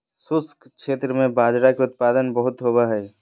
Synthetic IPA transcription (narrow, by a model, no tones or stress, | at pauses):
sʊskkʃeːt̪ɾəmẽbaːd͡ʒɾakeʊt̪̚paːd̪ənbəɦʊt̪ɦoːbaɦɛː